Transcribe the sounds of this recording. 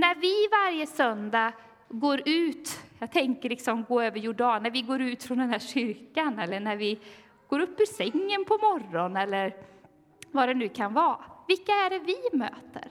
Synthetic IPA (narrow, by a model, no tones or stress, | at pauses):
næɾvɪvaɾjəsœnd̪a | ɡoːɾʉ̟ːt̪jɑːɡt̪ʰɛŋkəɾɭɪksɔmɡoːøːvəɾjʊɖɑːnːæɾvɪɡoːɾʉːt̪fɾɔnd̪ɛnhæɕʏɾkanɛlːəɳæɾvɪ | ɡ̥oːɾɵpːɪsɛŋːənpʰɔmɔrɔnɛlːəɾ | vaɖɛnʉ̟ːkʰanvɑːvɪlkːaæɖɛvɪmø̰ːt̪ə̰ɾ